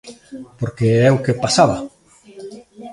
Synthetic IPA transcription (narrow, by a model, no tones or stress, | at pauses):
poɾkeɛokepasaβa